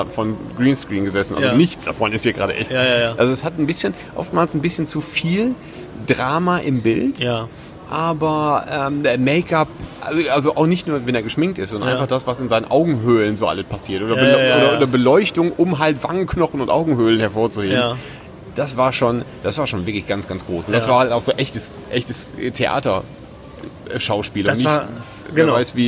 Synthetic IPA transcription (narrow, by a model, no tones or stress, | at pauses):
fɔnɡʁiːnskʁ̥iːnɡəzɛsn̩ʔa̰lzonɪçt͡sd̥a̰fɔnɪsthiːɐɡʁa̰ːɾə̰ʔɛ̰çtʔalzoɛshatn̩bɪsçən | ʔɔ̰ftmaːlsn̩bɪsçənt͡sufiːl | dʁaːmaʔɪmbɪlt | ʔaːbɐʔɛːmdmeɪkapʔʔalzoʔaʊxnɪçtnuːɐvɛneːɐɡəʃmɪŋk̚tɪ̰stzɔndɐnʔaɪnfaχd̥asv̥asɪnzaɪnənʔaʊɡŋ̩ɦøːlənzoːʔa̰ləspʰasiːɐtʔoːdɐəʔoːdɐʔoːdɐbəlɔʏçtʊŋʔʊmɦaltv̥aŋənknɔχn̩ʊntʔa̰ʊɡŋ̩høːlənhɛɐfoːɐt͡suheːbm | d̥asv̥aːɐʃoːnd̥asv̥aːɐʃoːnvɪɐklɪçɡ̥ansɡ̥ansɡ̥ʁoːsʊntd̥asv̥aːɐhaltaʊxz̥oːnʔɛçtəs | ʔɛçtəstʰeʔa̰ːtɐ | ʃaʊʃpiːlʊnɪç | vaɪsv̥iː